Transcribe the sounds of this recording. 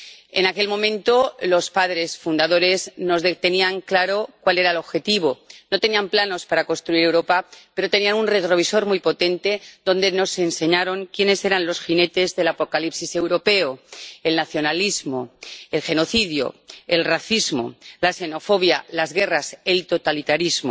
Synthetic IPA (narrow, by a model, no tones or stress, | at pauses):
e̞̰nake̞lmomẽnt̪o̞lo̞spaðɾe̞sfund̪aðo̞ɾe̞zno̞zðet̪e̞niaŋklaɾo̞kwale̞ɾaelo̞βxe̞t̪iβ̞onot̪e̞niamplano̞spaɾako̞nst̪ɾuiɾe̞wɾo̞pape̞ɾo̞t̪e̞nianunre̞t̪ɾo̞β̞iso̞ɾmujpo̞t̪e̞nt̪ed̪o̞nd̪e̞no̞se̞nse̞ɲaɾo̞ŋkje̞ne̞se̞ɾanlo̞sxine̞t̪e̞zðe̞lapo̞kalipsise̞wɾo̞pe̞oe̞lnaθjo̞nalizmo̞elxe̞no̞θiðjo̞̰e̞lraθizmo̞̰lase̞no̞fo̞βjalazɣe̞raselt̪o̞t̪alit̪aɾizmo̰